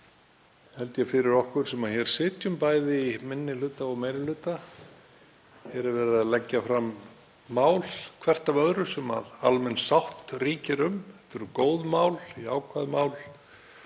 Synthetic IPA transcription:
hɛlt̪jɛfɪɾɪɾɔhkʏɾ̥sɛmaðçɛɾ̥sɪːt̪jʏmpaːjðɪimɪnːɪlʏːt̪aɔɣmejɾɪlʏːt̪a | hɛɾɪɾvɛːɾɪðaðlɛcːafɾamː | aːwlkʰvɛr̥t̪avœðɾʏsɛma̰ðalmɛnsawht̪riːcɪɾʏmɛht̪ʏɾkoːwðmaːwliaːwkʰvaðmaːwl

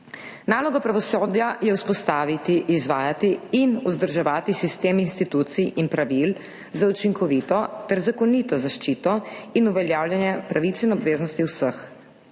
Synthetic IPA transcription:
naːlɔɡɔpɾaʋɔsoːd̪jajɛwspɔst̪aːʋit̪iʔizʋaːjat̪iːnuzd̪əɾʒɛʋaːt̪isist̪eːminst̪it̪uːt̪siinpɾaʋil | zaut͡ʃiŋkɔʋit̪ɔt̪ɛɾzakɔniːt̪ɔzaʃt͡ʃit̪ɔinuʋɛljaːwljɛnjɛpɾaʋit̪sɛinɔbʋeːznɔst̪iwsəx

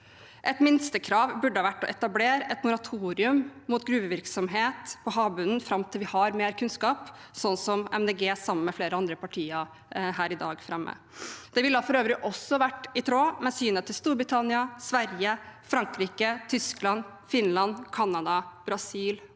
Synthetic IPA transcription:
ʔɛt̪mɪnst̪əkʰɾɑːʋbʉɖːəhɑʋæʈːɔʔɛt̪ɑbleːɾɛt̪mʊɾɑt̪ʰuːɾɪʉmmuːt̪ɡɾʉːbəʋɪɾksɔmɦeːt̪pʰɔɦɑːbʉnnfɾɑmt̪ʰɪlʋɪhɑɾmeːɾkʰʉnskɑːp | sɔnːsɔmɛmd̪eɡeːsɑmən̩mɛfleːɾəɑnd̪ɾəpɑʈʰiːəɾ | ɦæːɾɪd̪ɑ̰ːɡfɾɛmːə̰ | d̪̥ɛʋɪld̪ɑːfɔɾøːʋəɾɪʔɔsːɔɑʋæʈːɪt̪ʰɾoːmɛsyːnət̪ʰːɪlst̪uːɾbɾɪt̪ʰɑnɪɑsʋæɾjəfɾɑŋkɾiːkət̪ʰʏsklɑn | fɪnlɑnkʰɑnːɑd̪ɑb̥ɾɑsiːl

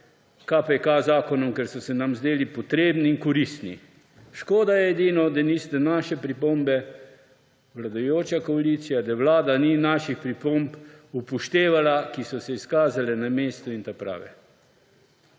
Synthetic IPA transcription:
kapɛkazaːkɔnɔmkɛɾsɔsɛnamzd̪eːlipɔt̪ɾeːbniːnkɔɾist̪nḭ | ʃkoːd̪ajɛːd̪iːnɔd̪anist̪ɛnaːʃɛpɾipoːmbɛ | ʋlad̪ajoːt͡ʃakɔaliːt̪sijad̪aʋlaːd̪aninaʃixpɾipompupɔʃt̪eːʋalakisɔsɛiskaːzalɛnameːst̪ɔint̪apɾa̰ːʋɛ̰

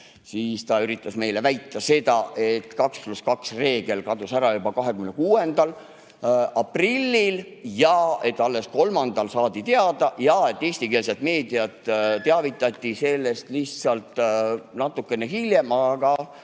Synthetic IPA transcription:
siːst̪ɑyɾit̪ːˑɑsme̞jle̞væjt̪ːˑɑse̞d̪̥ɑʔe̞t̪ːkɑkspluskɑksre̞ːɡ̥e̞lkɑd̪usæɾɑjubɑkɑɦe̞kymnekuːe̞nd̪̥ɑl | ɑprilʲːil | jɑe̞t̪ːˑɑlːe̞sko̞lmɑnd̪̥ɑlsɑːd̪it̪eɑd̪̥ɑjɑe̞t̪ˑːe̞ːst̪ikeːlset̪ˑme̞ːd̪̥iɑt̪t̪eɑvit̪ːˑɑt̪ʲːˑise̞lːe̞st̪liçt̪sɑlt̪ˑnɑt̪ːˑukːˑe̞neɦiljemɑɡ̥ɑ

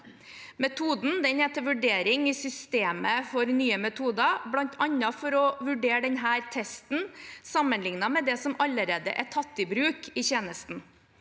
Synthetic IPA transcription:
mɛt̪ʰuːd̪nd̪ɛnheːt̪əɾʋʉɖeːɾɪŋɪsʏst̪eːməfɔɾnyːəmɛt̪ʰuːd̪ɑblɑnt̪ʰɑnːɑfɔɾɔʋʉɖeːɖɛnɦæːɾt̪ʰɛst̪n̩sɑmːənlɪŋnɑmɛd̪ɛsɔmɑlːəɾeːd̪ə̰ʔɛt̪ʰɑt̪ːɪbɾʉːkʰɪçeːnəst̪n̩

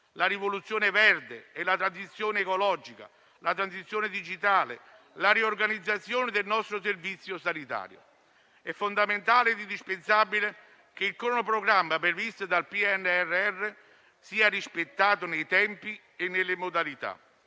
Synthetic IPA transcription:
laɾivolut̪sːjoːnevɛrd̪eelat̪ɾansit̪sːjoːneːkolɔd͡ʒika̰ | lat̪ɾansit̪sːjoːned̪id͡ʒit̪aːlḛ | laɾiorɡanid̪zːat̪sːjoːned̪elnɔst̪ɾoservit̪sːjosanit̪a̰ːɾjo̰ | ɛfːond̪ament̪aːled̪ind̪ispensabile | k̟eilkɾɔnopɾoɡɾamːapɾevist̪od̪alpiɛnːɛrːeɛrːe | siːarispet̪ːaːt̪ʊnejt̪ɛmpi | enːelːemod̪alit̪a̰

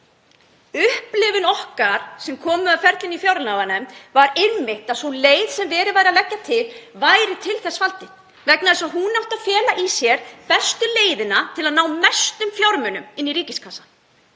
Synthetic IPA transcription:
ʏhplɪvɪnɔhkaɾ̥sɛmkʰɔːmʏaðfɛɾt̪lɪnifjawɾnavanœmvaɾɪnmɪht̪aðsunleːjðsɛmvɛːɾɪvaːjɾɪaðlɛcːat̪ʰɪlvaːjɾɪt̪ʰɪlθɛsfalt̪ɪ | vɛknaðɛsaðɦunawht̪aðfjɛːlaʔisjɛɾ̥pɛst̪ʏleːjðɪnat̪ʰɪlaðnaːwmɛst̪ʏmfjawɾmʏnʏmɪnːiɾiːcɪskʰasḁ

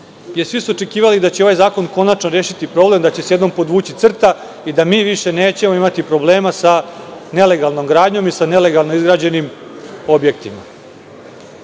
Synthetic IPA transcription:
jesʋisuot͡ʂe̞kiːʋalid̪at͡ɕeo̞ʋajzaːko̞nko̞nat͡ʃnoɾeːʃit̪ipɾo̞ːble̞md̪at͡ɕe̞sjed̪no̞mpo̞d̪ʋuːt͡ɕit̪sr̩t̪a | id̪amiːʋiʃe̞ne̞ːt͡ɕe̞moimat̪ipɾo̞ble̞ːmasane̞le̞ɡalˠno̞mɡɾaːd̪ɲo̞misane̞le̞ɡalˠno̞izɡɾaːd͡ʑe̞nimo̞bje̞k̚t̪ima̰

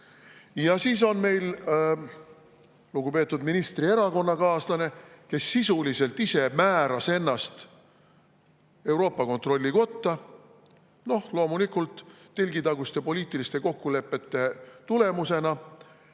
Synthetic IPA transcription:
jɑsiːso̞nme̞jl | luɡ̥upeːt̪ːˑud̪minist̪rie̞ɾɑko̞nːɑkɑːslɑne̞ke̞sːisulise̞lt̪ise̞mæːɾɑse̞nːɑst̪ | e̞wɾo̞ːpːˑɑko̞nt̪ro̞lʲːiko̞t̪ːɑ | no̞hlo̞ːmulikˑult̪ː | elʲɡit̪ɑɡust̪e̞po̞lʲiːt̪ːˑilist̪e̞ko̞kːule̞pːˑe̞t̪ˑːe̞t̪ule̞muse̞nɑ

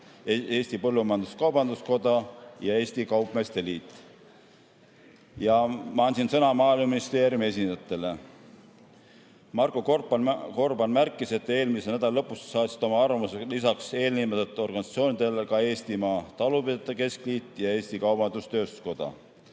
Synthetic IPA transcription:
e̞ːsʲt̪ipɤlːumɑjɑnd̪uskɑwbɑnd̪usko̞d̪̥ɑjɑe̞ːsʲt̪ikɑwpˑmest̪e̞liːt̪ːˑ | jɑmɑɑnʲsinsɤnɑmɑːilmuminist̪e̞ːɾjumie̞s̬ʲind̪ɑt̪ːˑe̞le̞ | mɑrkːˑokko̞rbɑnmærkːˑise̞t̪ːˑe̞ːlmisenæd̪ɑllɤ̞pːˑussɑːt̪ʲsi̥t̪o̞mɑɑrvɑmuselisɑkse̞ːlnimet̪et̪ːˑo̞rɡɑnʲisɑt̪sio̞ːnid̪̥elkɑe̞ːsʲt̪imɑːt̪ɑlupid̪et̪ːˑeke̞skliːt̪ːˑjɑe̞ːsʲt̪ikɑwb̥ɑnd̪ust̪øːst̪u̥sko̞d̪̥ɑ̰

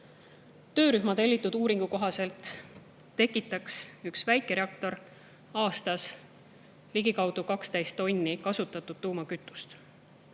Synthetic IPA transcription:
t̪ø̞ːɾyhmɑt̪e̞lːit̪ːˑud̪̥uːɾiŋɡ̥uko̞ɦɑse̞lt̪ː | e̞kːˑit̪ːˑɑksyksvæjkːˑeɾe̞ɑkt̪o̞ɾ | ɑːst̪ɑs | liɡikɑwd̪̥ukɑkst̪æjst̪ːo̞nʲːikɑsut̪ːˑɑt̪ːˑud̥̪̚t̪uːmɑkyt̪ːˑu̥st̪

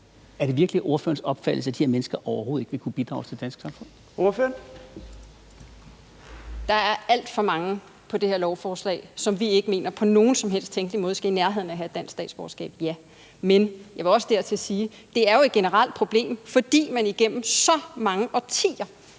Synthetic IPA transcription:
æɐɾ̥e̝ʋiɐɡ̥liʔo̝ɐfø̰ːɐnsɒ̽b̥fædl̩sæd̥i̥heɐmenəsɡ̥ɐʔɒʊɐɦoːð̩ˠeɡ̥ʋe̝kʰub̥id̥ʁɑ̰̈ʊst͡sʰe̝ld̥ænsɡ̥sɑ̈mfɔ̽n̰ | oføɐn | d̥ɑ̈æɐæl̰d̥fɒ̽mɑ̈ŋə | pʰɒ̽d̥e̝heɐlɒʊfɒːslɛ̰ːɪsɒ̽mʋie̝ɡ̥əme̝̰ːnɐpʰɒ̽no̝ːn̩sɒ̽mɦel̰sd̥t͡sʰeŋɡ̥limɔ̽ːð̞ˠsɡ̥æinæɐɦe̝ð̞̰ˠn̩æɦæed̥ːæn̰sɡ̥sd̥ɛ̰ːdsb̥ɒ̰ːɐsɡ̥ɛ̰ːb̥jæ | menjɑɪʋɑ̈ɒ̽səd̥eɐt͡sʰe̝siː | d̥e̝æɐjo̝e̝d̥̚ɡ̥e̝nəʁɑl̰d̥̚pʰʁo̝b̥le̝̰ːmfɒ̽d̥ḭːmæniɡ̥em̰m̩sɒ̽mɑ̈ŋəʔɒt͡sʰḭːɐ

